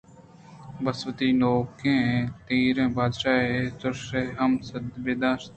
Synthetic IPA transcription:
bəsʋət̪iːloːkẽːt̪iːɾẽːbaːd̪ʃaːet̪ʊɾʃeɦɐmsəd̪beːd̪aːʃt̪

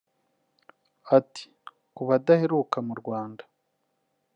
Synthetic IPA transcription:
ati̥ | kuβadaheɾukamuɾɡwaːndḁ

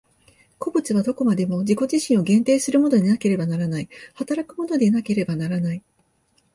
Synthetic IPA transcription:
ko̞bɯ̟t͡sɨβad̪o̞ko̞mad̪e̞mo̞ʑiko̞ʑiɕĩɰ̃oɡẽ̞nt̪e̞ːsɨɾɯ̟mo̞no̞ɲinake̞ɾe̞banaɾanaihat̪aɾakɯ̟mo̞no̞d̪e̞nake̞ɾe̞banaɾanai

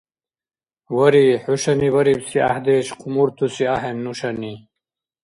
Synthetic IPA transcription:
wɐɾiħuɕɐniwɐɾibsia̰hd̪eːɕqumuɾt̪ʰusiaɦemnuɕɐni

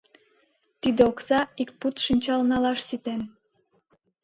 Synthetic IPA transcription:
t̪id̪eoksɑikput̪ʃənʲt͡ɕɑlnɑlɑʃsit̪en

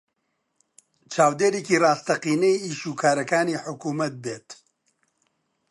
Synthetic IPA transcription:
t͡ʃʰaːwd̪eːɾeːkiːraːst̪ɐqiːnɛjiːʃuːkʰaːɾɐkaːniːħʊkuːmɐt̪̚beːt̪

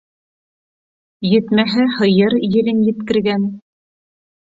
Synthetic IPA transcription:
jɘ̆t̪mæɦæhɤ̆jɤɾjɘ̆ɾɘnjɘ̆t̪kɘ̆ɾɡæn

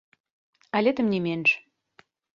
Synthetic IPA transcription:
ælʲet̪ə̆mnʲemenʒ

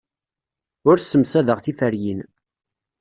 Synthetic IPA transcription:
ʊɾsːəmsæðəʁθifəɾjin

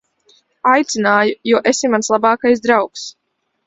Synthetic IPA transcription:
ajt̪sinaːjujuɔʔesimanslˠabɑːkajs̬d̪ɾawks

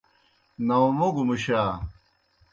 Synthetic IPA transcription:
nɐumoɡumuɕaː

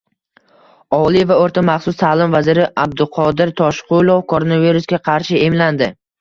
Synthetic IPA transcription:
ɒlˠɪvaoɾt̪ʰamɑχsʊst̪ʰaːlɪmvazɪɾɪʔab̚d̪ɪqʰɒd̪ɪɾt̪ʰɒʃqʰʊlˠofkʰoɾonaviɾusɡʲaqʰɑɾʃɪe̞mland̪ɪ

